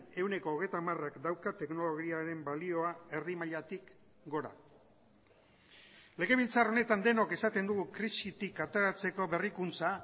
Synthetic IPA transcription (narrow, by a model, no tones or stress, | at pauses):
ne̞wne̞ko̞ːɣejt̪amarakd̪awkat̪e̞kno̞lo̞ɣ̞iaɾe̞mbalio̞ae̞ɾðimaʎat̪ik | ɡo̞ɾa̰ | le̞ɣe̞β̞ilt͡saro̞ne̞t̪and̪e̞no̞ke̞sat̪e̞nd̪uɣukɾisit̪ikat̪e̞ɾat͡se̞ko̞βe̞rikunt͡sa